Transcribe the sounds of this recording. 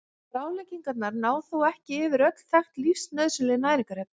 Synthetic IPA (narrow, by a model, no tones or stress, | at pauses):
fɾaːwljciŋkat̪naɾnaːwθowɛhcɪɪːvɪɾœt̪l̥θajxt̪lifsnœðsʏlɪnaːjɾiŋkaɾɛt̪n